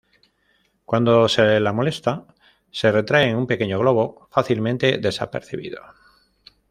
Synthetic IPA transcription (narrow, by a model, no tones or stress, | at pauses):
kwand̪o̞se̞lamo̞le̞st̪a | se̞re̞t̪ɾaeːŋumpe̞ke̞ɲo̞ɣ̞lo̞β̞o̞faθilmẽnt̪e̞ðe̞sape̞̰ɾθiβḭðo̞̰